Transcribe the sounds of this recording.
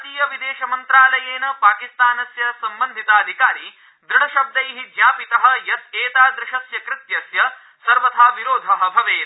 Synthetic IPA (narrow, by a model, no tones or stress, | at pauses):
d̪iːjɐʋid̪eːʃɐmɐnt̪ɾaːlɐjeːnɐpaːkist̪aːnɐsjɐsɐmbɐnd̪ʱit̪ɐːd̪ʱikaːɾi | d̪ɾɪɽɐʃɐb̚d̪ɐjɦid͡ʒjaːpit̪ɐɦɐjɐseːt̪aːd̪ɾɪʃɐsjɐkɾɪt̪jɐsjɐ | sɐɾʋɐt̪ʰaːʋiɾoːd̪ʱɐɦɐbʱɐʋeːnɐ